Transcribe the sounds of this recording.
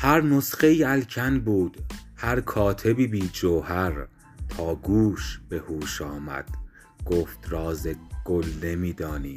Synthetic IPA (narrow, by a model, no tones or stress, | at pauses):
hæɾnosχe̞iːælcʰænbuːd̪̥hæɾkʰɒːt̪ʰe̞biːbiːd͡ʒoːhæɾ | t̪ʰɒːɡuːʃb̥e̞huːʃɒːmæ̰d̪̥ | ɡ̥oːft̪ʰɾɒːzeɡ̥olne̞miːd̪ɒːniː